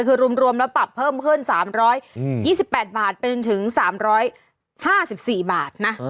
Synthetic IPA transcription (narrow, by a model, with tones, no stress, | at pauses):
kʰɯː˧ɾu˧əmɾu˧əmlɛː˦˥wpa˨˩pʰːɤː˥˩mkʰɯ˥˩nsaː˩˦mɾɔː˦˥jjiː˥˩si˨˩pːɛː˨˩t̪̚baː˨˩t̪̚pe˧n˧nt̪ʰɯ˩˦ŋsaː˩˦mɾɔː˦˥j | haː˥˩si˨˩p̚siː˨˩baː˨˩t̪̚na˦˥